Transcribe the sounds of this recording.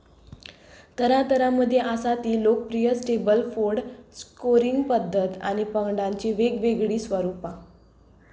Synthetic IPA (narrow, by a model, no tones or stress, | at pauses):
t̪əɾãt̪əɾaməd̪ʱːjeʔasat̪iːlokpɾijəsʈebəlfoɾɖskoɾiŋɡpəd̪ʱːət̪a̰ɽ̃ipəɡɖãɲt͡ɕeʋeɡʋeɡɽiːsʋəɾupa